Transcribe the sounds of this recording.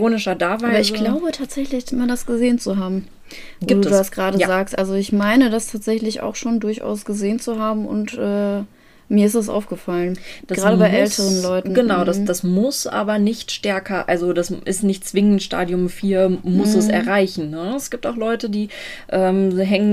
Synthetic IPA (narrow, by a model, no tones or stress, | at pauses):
oːnɪʃɐdaːvaːɪbɐɪçɡ̥laʊbətʰaːtz̥ɛçlɪçɪmadasɡ̥əzeːənt͡suɦaːbm̩ | viːduːdaːstɡ̥ʁaːɾəzaːkstʔalzoɪçmaɪnədastʰaːtz̥ɛçlɪçʔa̰ʊxʃoːndʊɐçʔa̰ʊsɡ̥əzeːənt͡suɦaːbm̩ʊ̰ntʔɛː | miːɐɪstd̥as̬ʔa̰ʊfɡ̥əfalənd̥aɡʁʁaːɾəbaɪʔʔɛltʰəʁ̞ənlɔʏtn̩ɡ̥ənaʊdasd̥asmʊsʔa̰ːbɐnɪçtʃtɛɐkʰɐʔa̰lzodasʔɪstnɪçtt͡sv̥ɪŋən̩tʃta̰ːdjʊmfiːɐmʊsɛsɛ̰ɐʁaɪçn̩nəɛsɡ̥iːp̚taʊxlɔʏtədiːʔɛːmɦɛŋən